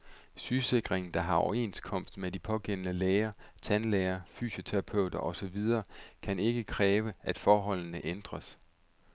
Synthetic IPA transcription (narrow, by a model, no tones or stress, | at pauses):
syːse̝ɡ̥ʁeŋn̩d̥ɑ̈ɦɑ̈ɒʊɐe̝̰nskʰɒ̽m̰sd̥medipʰɒ̽ɡ̥en̰ənəleːɐt͡sʰænleːɐfy̰ːɕo̝t͡sʰeʁɑ̈pʰøʊ̰d̥ɐʔɒ̽sɒ̽ʋið̞ˠɐːkʰæne̝ɡ̥əkʰʁɛːʋəʔæd̥fɒːɦɒ̽l̰nəʔend̥ʁɐs